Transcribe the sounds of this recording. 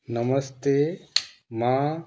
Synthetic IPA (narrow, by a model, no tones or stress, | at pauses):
nɐməst̪e | ma